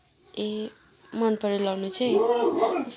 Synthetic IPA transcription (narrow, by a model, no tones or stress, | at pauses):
e | mʌnpʌɾilawnut͡sʰʌj